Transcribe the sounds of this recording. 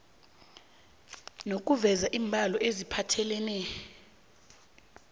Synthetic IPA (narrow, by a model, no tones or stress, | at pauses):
nok̬ʼuvɛzaʔiːmbʱalɔʔezipʰatʰɛlɛnɛ